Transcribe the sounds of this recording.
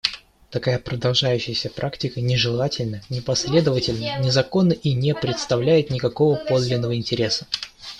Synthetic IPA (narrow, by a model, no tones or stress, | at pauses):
t̪ɐkajapɾəd̪ɐlˠʐajʉɕːɪjəsʲəpɾʔaktʲɪkənʲɪʐɨlˠatʲɪlʲnənʲɪpɐsʲlʲe̞d̪əvətʲɪlʲnənʲɪzɐko̞nːəʔinʲepɾʲɪt̪st̪ɐvlʲæjɪt̪nʲɪkɐko̞vəpo̞d̪lʲɪnːəvəɪnʲtʲɪɾʲe̞sə̥